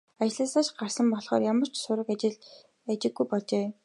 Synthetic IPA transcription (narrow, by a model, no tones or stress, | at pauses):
at͡ɕɪɮə̆ːsaːʃɢarsə̆mpɔɮχɔ̰ːrjamə̆r̥t͡ɕsʊɾə̆kat͡ɕɪɮ | at͡ɕɪ̆ɡːujpɔɮt͡ɕeː